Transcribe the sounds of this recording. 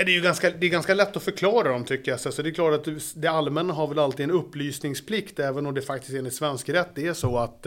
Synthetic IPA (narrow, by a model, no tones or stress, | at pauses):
ad̪ɛjɵɡanskad̪ɛɛɾɡanskalɛt̪ːɔfœɾkʰlɑːɾad̪ɔmt̪ʰʏkːəjasɛsɔd̪ɛjklɑːʈat̪d̪ɛalmɛnːaɦaɾvɛlalt̪iːd̪ɛnɵpːlyːsnɪŋspʰlɪkt̪ɛːvənɔmd̪ɛːfak̚t̪ɪst̪eːnɪt̪svɛnskɾɛt̪ːd̪ɛæʂɔat̪